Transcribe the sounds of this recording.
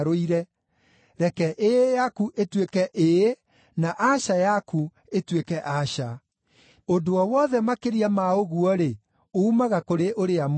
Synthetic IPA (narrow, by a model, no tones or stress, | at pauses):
ɾoiɾɛ | ɾɛkɛʔejakuʔetwekɛʔe | naʔaɕajaku | etwekɛʔaɕa | ondoɔwɔðɛmakeɾiamaoɣuɔɾe | oumaɣakoɾeʔoɾeam